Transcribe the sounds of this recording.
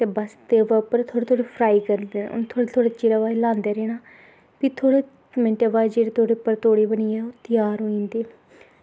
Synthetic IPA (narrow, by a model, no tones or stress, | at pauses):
t̪eːbəst̪eːʋaːʊpəɾt̪ʰoːɽeːt̪ʰoːɽepʰɾaːiːkəɾd̪eːnʊ̰nt̪ʰoːɽet̪ʰoːɽeːt͡ʃɪɾaːʋaːelãːnd̪eːɾeːñaː | pit̪ʰoːɽeː | mɛ̃ɳʈeːʋaːed͡ʒeːɽeːt̪oːɽeːʊpːəɾt̪oːɽiːbəniːɛoːt̪ɪjaːɾɦoːĩːnd̪eː